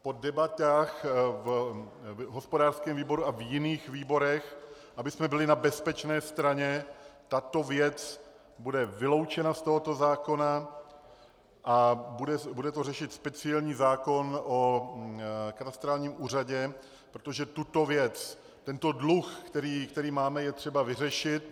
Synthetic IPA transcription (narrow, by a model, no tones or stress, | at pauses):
po̞dɛbat̪aːxv | ɦo̞spodaːrskɛːmviːbo̞ɾuavjɪniːxviːbo̞ɾɛx | ʔabɪsmɛbɪlɪnabɛspɛt͡ʃnɛːst̪ɾaɲɛt̪at̪o̞vjɛt͡s | budɛvɪlo̞wt͡ʃɛnast̪o̞ɦo̞t̪o̞zaːko̞na | ʔabudɛbudɛt̪o̞rɛʃɪt̪spɛt͡sɪɛlɲiːzaːko̞nʔo | kat̪ast̪ɾaːlɲiːmʔuːr̝aɟɛ | pɾot̪oʒɛt̪ut̪o̞vjɛt͡s | t̪ɛnt̪o̞dluxkt̪ɛɾiːkt̪ɛɾiːmaːmɛjɛt̪r̝̥ɛbavɪrɛʃɪt̪